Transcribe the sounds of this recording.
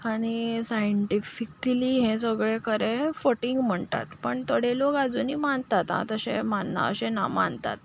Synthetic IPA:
aɽ̃isajəɳʈifikliɦẽsəɡɭekʰəɾẽfoʈiŋɡm̤əɳt̪a̰t̪pəɳt̪əɽelokad͡zuːniːmant̪at̪ɦã̰t̪əɕḛ̃manːa̰ə̰ɕẽna̰ma̰nt̪a̰t̪̚

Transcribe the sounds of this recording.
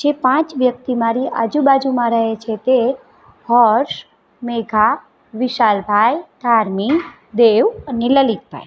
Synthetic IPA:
d͡ʒepãt͡ʃʋjək̚t̪imaɾiʔa̰d͡ʒubad͡ʒumãɾəɦet͡ʃʰet̪e | hɔɾʃ | meɡʱa | ʋɪʃalbʱajd̪̥ʱaɾmi | d̪eʋəneləlit̪̚bʱa̰j

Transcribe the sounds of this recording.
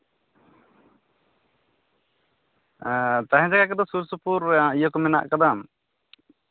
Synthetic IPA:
t̪aɦɛ̃d͡ʒaɡakɛd̪ɔsuɾsupuɾaijəkɔmɛna̰ʔkad̪am

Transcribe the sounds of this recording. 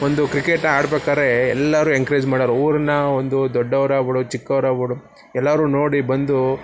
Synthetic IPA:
ond̪ukɾikeʈaːɽbeːkaːɾeɛlːɐɾuːeŋkɐɾeːd͡ʒmaːɽaɾuːɾɐnːɐond̪ud̪ɔɖːɐʋɾaːbuɽut͡ʃikːɐʋɾaːbuɽu | ɛlːɐːɾuːno̞ːɽibɐnd̪u

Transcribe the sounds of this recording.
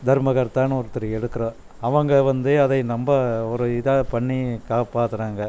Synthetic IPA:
d̪ʱɐɾmɐɣɐɾt̪aːnɯɔɾɯt̪ːɪɾɯɛɽɯkːɯɾɐ̃ | ɐʋɐŋɡɐʋɐnd̪ɯɐðɐɪnɐmbɐɔɾɯɪðɐpɐɳːikaːpaːt̪ɯɾaːŋɡɐ

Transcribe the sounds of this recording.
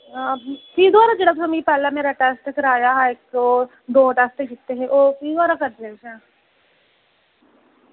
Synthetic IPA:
kiid̪waːɾad͡ʒeɽaksɐmipɛːlameːɾaʈaːst̪ekɐɾaːjaɦek̚o | d̪oːʈaːst̪ekɪt̪ːeɦẽʔoːkiid̪ʋaːɾakɐɾd̪esã

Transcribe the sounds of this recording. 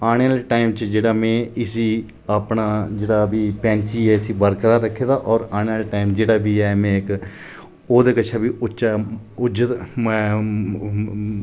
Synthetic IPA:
aːɽ̃ejaːleːʈaːimt͡ʃd͡ʒeːɽaːmɛ̃ːɪsiː | aːpɳaːd͡ʒeːɽaːbiːpɛ̃ːnt͡ʃiːɛːɪsiːbəɾkəɾaːɾəkʰːeːd̪aːʔɔːɾaːɽ̃eaːleʈaːimd͡ʒeːɽaːbiːɛːmɛ̃ːk | oːd̪eːkət͡ʃʰaːbiːʔʊʃaː | ʊd͡ʒət̪mɛ̃ː

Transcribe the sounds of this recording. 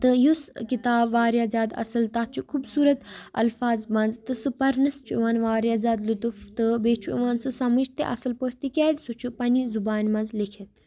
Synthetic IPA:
t̪ɨjuskit̪aːbʋaːɾjaːzaːd̪ɐ̰sɐlt̪ɐt͡ʃʰukʰubsuːɾɐt̪ɐ̰lfaːzmɐnzt̪ɨsɨpɐɾnɐst͡ʃʰuʋaːnʋaːɾjaːzaːd̪lut̪uft̪ɨbeːt͡ʃʰuiʋaːnsɨsɐmɨd͡ʒt̪ḛʔɐ̰sɨlpohʲt̪ikʲaːd̪sut͡ʃʰupɐnizubaːnmɐnzlikʰet̪̚

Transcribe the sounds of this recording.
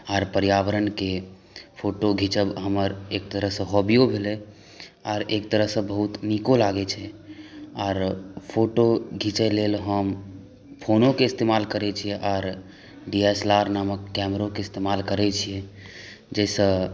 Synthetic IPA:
aːɾpəɾjaʋəɾənke | pʰoʈoɡʱit͡ʃəbɦəməɾek̚t̪əɾəɦsə̃ɦɔbijobʱelɛ | aɾek̚t̪əɾəɦsə̃bəɦut̪nikolaɡɛt͡ʃʰɛ | aːɾpʰoʈoɡʱit͡ʃɛlelɦəm | pʰonõkeɪst̪emalkəɾɛt͡ʃʰijɛʔaːɾ | ɖieslaɾnaməkːɛmɾõkeɪst̪emalkəɾɛt͡ʃʰijɛ | d͡ʒɛsə̃

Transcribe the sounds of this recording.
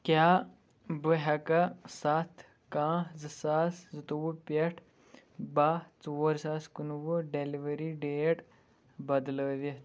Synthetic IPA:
kʲjaː | bɨɦɐkɐsat̪ʰ | kãːzɨsaːszɨt̪uʋupʲeʈʰ | bat͡soːɾsaːskunʋɨɖeliʋɐɾiɖeːʈ | bɐd̪ləːd̪it̪

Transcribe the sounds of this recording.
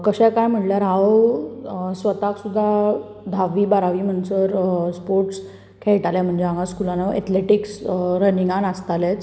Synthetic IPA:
kəɕɛ̃kajm̤əʈljaɾɦaw | sʋət̪aksud̪ʱːa | d̪ʱaʋiːbaɾaʋiːm̤ənsəɾspoɾʈs | kʰɛɭʈalam̤əɳd͡ʑeaŋaskulanaɛ̰t̪leʈiksɾəniŋɡanast̪alɛt͡s

